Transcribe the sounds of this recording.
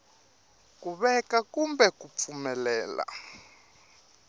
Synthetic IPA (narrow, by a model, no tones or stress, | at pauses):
k̬ʼuβɛkakumbɛkup̪fumɛlɛːla̰